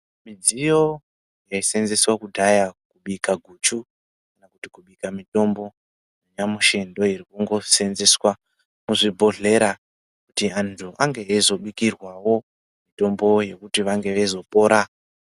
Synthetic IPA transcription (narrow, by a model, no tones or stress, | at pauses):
mid͡zijo̞ | jaise̞nze̞swakudʱajakuɓikaɡʱut͡ʃu | kanakutikuɓikamito̞mbo̞ | noɲamuʃe̞ndo̞iɾikuŋɡo̞se̞nze̞swa | muʐibʱo̞ɮe̞ɾa | kutiantʰuʔaŋɡeezo̞ɓikirwawo̞ | mito̞mbo̞je̞kutiʋaŋɡe̞ʋezo̞po̞ːɾa